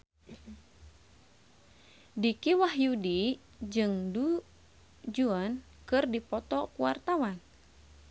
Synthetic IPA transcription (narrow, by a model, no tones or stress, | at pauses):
dikiwaɦjudi | d͡ʒɨŋdu | d͡ʒuɔn | kɨrdipɔt̪ɔkuwart̪awan